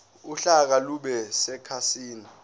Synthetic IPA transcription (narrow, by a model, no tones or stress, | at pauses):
uɬak̬aluɓɛsɛkʰasiːna